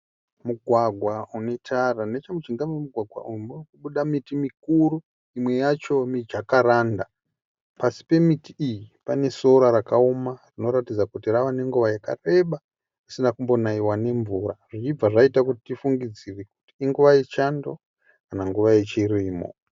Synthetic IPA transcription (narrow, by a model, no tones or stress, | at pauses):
muɡʱwaɡʱwaunetʰaranet͡ʃamut͡ʃiŋɡamemuɡʱwaɡʱwa̰umrkuɓuɗamitimikuru | imwe̞jat͡ʃo̞mid͡ʒakaɾaːnda | pasi̥pe̞mitiijipane̞so̞ɾaɾakaumarino̞ɾatid͡zakutiraʋane̞ŋɡuʋajaka̰re̞ɓa | isinakumbo̞naiwane̞ɱvuɾaʐ̥it͡ʃib͡vaʐaitakuti̥tifuŋɡid͡zireku̥ti̥iŋɡuʋajet͡ʃando̞ | kanaŋɡuʋaje̞t͡ʃiɾiːmo̰